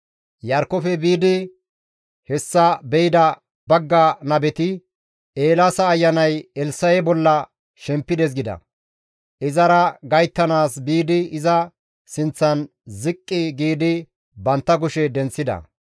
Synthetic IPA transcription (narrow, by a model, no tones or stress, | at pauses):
jɐɾkɔfɛbiːd̪ɪ | hɛsːɐbɛjɪd̪ɐ | bɐɡːɐnɐbɛt̪ɪ | eːlasɐːjːɐnɐjɛlsɐjɛbɔlːɐ | ʃɛmpːɪd̪ɛs̬ɡɪd̪ɐ̰ | ʔɪzɐɾɐɡɐjt̪ːɐnaːsbiːd̪ɪɪzɐ | sɪnt͡sːɐn | zɪkʼːɪɡiːd̪ɪ | bɐnt̪ːɐk̬ʊʃɛd̪ɛnt͡sːɪd̪ɐ̰